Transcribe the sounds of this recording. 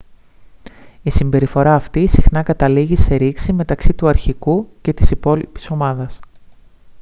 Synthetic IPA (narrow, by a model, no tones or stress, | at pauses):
isimbe̞ɾifo̞ɾɐːft̪isixnɐkɐt̪ɐliʝise̞ɾiksime̞t̪ɐksit̪uɐɾçikuce̞t̪i̥sipo̞lipi̥so̞mɐðɐs